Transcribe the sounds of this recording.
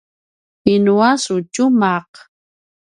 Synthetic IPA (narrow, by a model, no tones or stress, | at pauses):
ɪnuasʊt͡ʃʊmaq